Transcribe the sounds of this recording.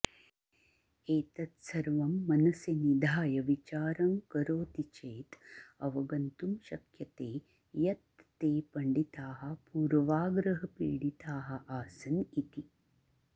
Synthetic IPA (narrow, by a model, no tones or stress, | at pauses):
eːt̪ɐt̪sɐɾʋɐmːɐnɐsjɐnid̪ʱaːjɐʋit͡ʃaːɾɐŋkɐɾoːt̪it͡ʃeːt̪ɐʋɐɡɐnt̪umʃɐkjɐt̪eː | jɐt̪ːeːpɐɳɖit̪aːɦɐ̆puːɾʋaːɡɾɐɦɐpḭːɽit̪aːɦɐ̆ʔaːsɐnit̪i